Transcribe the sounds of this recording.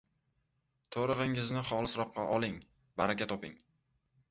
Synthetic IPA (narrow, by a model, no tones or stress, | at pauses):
t̪ʰoɾɨʁɪŋɪznɪχɒlˠɪsɾɒq̚qːɑ̰ʔɒlˠɪŋ | baɾakʲat̪ʰɒpɪ̰ŋ